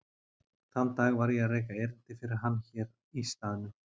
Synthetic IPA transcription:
θamt̪aːɣvaɾjɛareːjkaeɾɪn̥t̪ɪfɪɾɪɾ̥ɦanːçɛːɾ | ist̪aːðnʏ

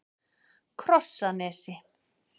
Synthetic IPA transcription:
kʰrɔsːanɛsi

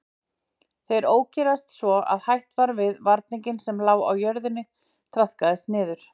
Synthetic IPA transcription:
θejɾoːwcɛɾast̪svɔa̰ðhajht̪vaɾvɪðvaɾt̪̚niɲcɪnsɛmlaːwa̰wjœɾðɪnːɪ | t̪ʰɾaθkaðɪst̪nɪːðʏɾ̥

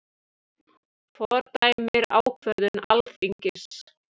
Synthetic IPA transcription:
fɔɾt̪aːjmɪɾa̰ːwkʰvœɾðʏna̰lfiɲcɪs

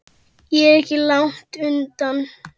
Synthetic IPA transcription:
jɛɛɾɛhcɪlawŋ̥t̪ʏnt̪an

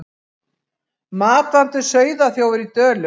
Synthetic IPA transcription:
maːt̪ant̪ʏsœːɥðaθjowɛɾit̪œːlʏ

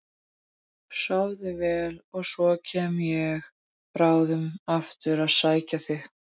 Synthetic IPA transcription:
sawðɪvɛːlɔɣsɔcʰɛːmjɛɣ | pɾaːwðʏmaft̪ʏɾaðsaːjcaθɪx

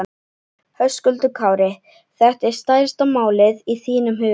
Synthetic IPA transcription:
hœskʏlt̪ʏkʰaːwɾɪ | θɛht̪ɛɾ̥st̪aːjɾst̪amaːwlɪðiθiːnʏmɦʏː

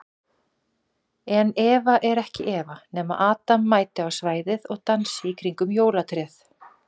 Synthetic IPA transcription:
ɛnɛːvaʔɛɾɛhcɪʔɛːvanɛːmaʔaːt̪amːaːjt̪ɪawsvaːjðɪðɔɣt̪ansɪikʰɾiŋkʏmjoːwlat̪ʰɾɛːθ

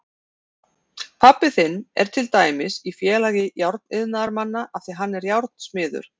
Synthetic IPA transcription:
pʰapːɪθɪnːɛ̰ɾ̥t̪ʰɪlt̪aːjmɪsifjɛːlaːɣɪjawɾt̪nɪðnaðaɾmanːaʔaθiɦanːɛɾjawɾt̪̚n̥smɪːðʏ̰ɾ̥

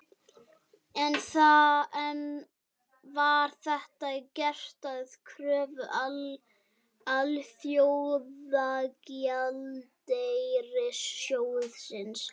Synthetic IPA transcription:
ɛnθaɛn | vaɾ̥θɛht̪acɛr̥t̪aðkʰɾœːvʏʔ | alθjowðakjalt̪ejɾɪsːjoːwʏðsɪns

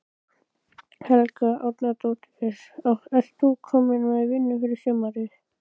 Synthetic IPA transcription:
hɛlkaʔawt̪nat̪oːt̪ | ɛɾaɛl̥t̪ukʰːɔːmɪnaðɪvɪnːʏfɪɾɪɾsœmaɾɪ

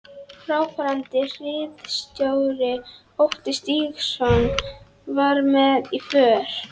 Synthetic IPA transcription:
fɾaːwkʰaɾant̪ɪr̥ɪðst̪jowɾɪ | owht̪ɪst̪iːɣsɔn | vaɾmɛðifœːɾ̥

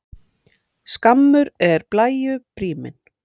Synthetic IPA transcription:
skamːʏɾɛɾplaːjʏpɾiːmɪ̰n

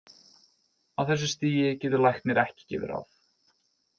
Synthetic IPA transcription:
awθɛs̬ːʏst̪iːjɪcɛːt̪ʏɾlajxkt̪mjɛɾɛhcɪ̥cɛ̰ːvɪ̰ɾa̰f

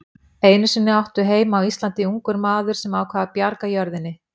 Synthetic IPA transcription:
eːjnʏsɪnːɪawht̪ʏɦeːjmaːwist̪lant̪ɪuŋkʏɾmaːðʏɾ̥sɛmaːwkʰvaːðapjaɾkajœɾðɪnːɪ

